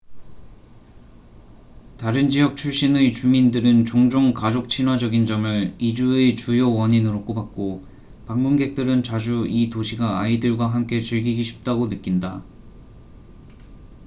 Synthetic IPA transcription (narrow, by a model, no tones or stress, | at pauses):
taɾɯnd͡ʑijʌk̚t͡ɕʰuɭɕ͈inet͡ɕumindɯɾɯnt͡ɕoŋd͡ʑoŋkad͡ʑok̚t͡ɕʰinɦwad͡ʑʌɡind͡ʑʌmɯɭid͡ʑuet͡ɕujowʌɲinɯɾok͈obak̚k͈o | paŋmunɡe̞k̚t͈ɯɾɯnt͡ɕad͡ʑuitoɕʰiɡaːidɯɭɡwaɦamk͈e̞t͡ɕɯɭɡiɡiɕʰi̥p̚t͈aɡonɯk͈inda